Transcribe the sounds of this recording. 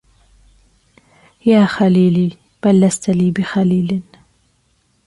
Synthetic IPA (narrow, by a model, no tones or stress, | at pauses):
jaːxaliːliː | b̥alːast̪ʰaliːbixaliːlɪn